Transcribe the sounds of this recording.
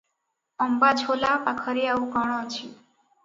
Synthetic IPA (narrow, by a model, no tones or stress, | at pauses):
əmbat͡ʃʰolaʔakʰəɾiaʋũkəɽ̃õt͡ʃʰi